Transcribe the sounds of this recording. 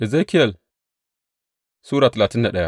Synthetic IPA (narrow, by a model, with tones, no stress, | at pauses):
i˨za˦ki˦je˨l | su˦ɾa˨ta˨la˨ti˦nːa˨ɗa˦ja˦